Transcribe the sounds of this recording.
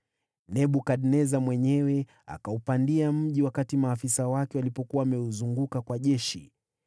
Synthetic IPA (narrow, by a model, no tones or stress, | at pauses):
nɛɓukaɗnɛzamwɛɲɛwɛ | a̰kaupandiam̩ʄiwakatimaːfisawakɛwalipɔkuwaːmɛuzuŋɡukakwaʄɛʃḭ